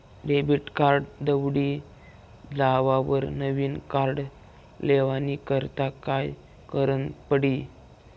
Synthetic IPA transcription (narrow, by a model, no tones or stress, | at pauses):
ɖebiʈkaɾɖd̪əʋɽiː | d͡zaʋaʋəɾnəʋiːnkaɾɖ | leʋanikəɾt̪akaj | kəɾənpəɽiː